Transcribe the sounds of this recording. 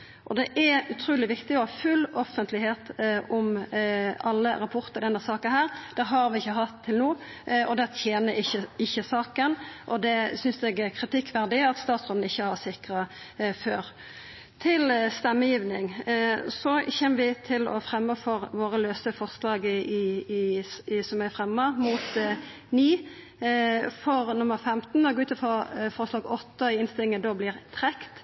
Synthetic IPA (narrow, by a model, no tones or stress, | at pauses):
ʔɔd̪ɛʔɛʉt̪ʰɾuːlɪʋɪkt̪ɪɔhɑːfʉlɔfənt̪lɪheːt̪ɔm | ɑlːəɾɑpʰʊʁt̪əɾd̪ɛnd̪æsɑːkənhæːʁd̪̥ɛɦɑɾʋɪɪçːəɦɑt̪ʰːɪlnuː | ɔd̪ɛt̪ʰjeːnəɪçəɪçːəsɑːkənʔɔd̪ɛsʏnsd̪ɛɡɛkʰɾɪt̪ɪkːʋæʁd̪ɪɑt̪st̪ɑːt̪sʁʉn̩ɪçːəhɑsɪkɾə | føːɾ | t̪ʰɪlst̪ɛmːəjiːʋnɪŋsɔçɛmːəʋɪt̪ʰɪlɔ̰fɾɛmːəfɔɾʋoːʁəløːsəfɔʁslɑːɡɪ | sɔmæfʁɛmːəmuːt̪ | niː | fɔɾnʊməʁfɛmt̪nɔɡʉːt̪əfɔfɔɾslɑːɡɔt̪ːəɪɪnst̪ɪlɪŋənd̪oblɪʁt̪ʰɾɛkt̪